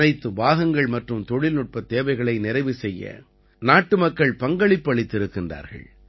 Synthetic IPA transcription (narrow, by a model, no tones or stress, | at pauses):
ɐɪt̪ːɯbaːɣɐŋɡɐɭmɐʈrɯmt̪ɔɻɪlnʊʈ̚pɐt̪ːeːʋɐɪɣɐɭɐɪnɪɾɐɪʋɯsɛjːɐ̰ | naːʈːɯmɐkːɐɭpɐŋɡɐɭɪpːɐɭɪt̪ːɪɾɯkːɪndra̰ːɾɣɐ̰ɭ